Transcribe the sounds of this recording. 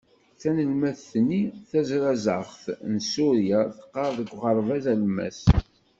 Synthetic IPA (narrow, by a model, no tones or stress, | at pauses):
θænəlmæθθnːiθæzɾæzəʁθnsuɾjaθə̥qːɑɾˤðəɡʷʁəɾˤvæzælmæ̰s